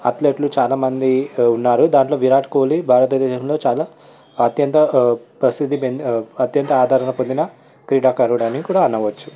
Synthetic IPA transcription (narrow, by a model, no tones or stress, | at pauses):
ɐ̰t̪leːʈlut͡ʃaːlaːmɐnd̪iunːaːɾud̪aːɳʈlo̞ːʋiɾaːʈkoːlibʱaːɾɐt̪ɐd̪eːʃɐmlo̞ːt͡ʃaːlaː | t̪jɐnt̪ɐpɾɐsid̪ʱipenɐt̪jɐnt̪ɐaːd̪ʱaːɾɐnɐpond̪inɐ | kɾiːɽaːkɐɾuʋɐɽaːnikikuːɽaːɐnːɐʋɐt͡ʃːu̥